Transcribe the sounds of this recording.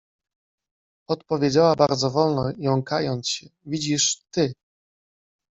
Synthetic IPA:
ɔt̪̚pɔvʲjed͡ʑawabaɾd̪zɔvɔlnɔjɔ̃w̃kajɔnt̪ɕɛvʲid͡ʑiʂt̪ɘ

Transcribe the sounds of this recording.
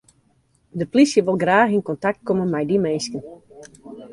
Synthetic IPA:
dəplisjəʋolˠɡraːxinkɔntak̚t̚komənmɛjdimeːnskən

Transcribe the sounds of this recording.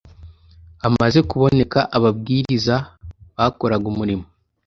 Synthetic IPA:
amaze̞kuβo̞ne̞kaʔaβabɡiːɾizaβako̞ɾaɡumuɾimo

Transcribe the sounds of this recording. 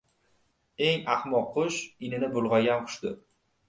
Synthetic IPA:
e̞ŋɑχmɒqʰːʊʃɪnɪnɪbʊlˠʁɑɡʲanqʰʊ̥ʃd̪ɪ

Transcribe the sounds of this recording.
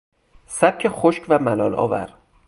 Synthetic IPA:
sæb̚cʰexoʃcvæmælɒːlɒ̰ːvæ̰ɾ

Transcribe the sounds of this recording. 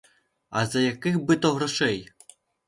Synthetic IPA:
ɐ̰zɐjakɨxbɨt̪ɔɣraʂɛj

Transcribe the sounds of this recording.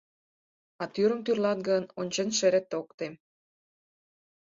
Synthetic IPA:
ɑt̪yɾə̆mt̪yrlɑt̪̚ɡənonʲt͡ɕenʃĕɾĕt̪ːokt̪em

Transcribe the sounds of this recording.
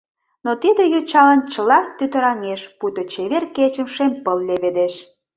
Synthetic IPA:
not̪id̪ĕjot͡ɕɑlənt͡ɕəlɑt̪yt̪ə̆ɾɑŋeʃput̪ot͡ɕeβerket͡ɕə̆mʃempəlːeβed̪eʃ

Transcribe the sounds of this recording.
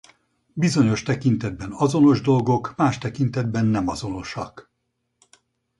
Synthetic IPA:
bizo̞ɲo̞ʃt̪ɛkint̪ɛd̪̚bɛnɒzo̞no̞ʒd̪o̞lɡo̞kmaːʃt̪ɛkint̪ɛd̪̚bɛnːɛmɒzo̞no̞ʃɒk

